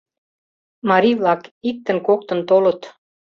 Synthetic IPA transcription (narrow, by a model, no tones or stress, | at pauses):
mɑɾʲivlˠɑkit̪ːə̆nkok̚t̪ɤ̆nt̪olɤ̆t̪